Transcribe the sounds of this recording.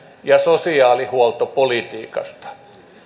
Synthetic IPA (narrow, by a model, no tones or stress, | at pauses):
jɑsosiɑːlihuɔlt̪opolit̪iːkɑ̰st̪ɑ̥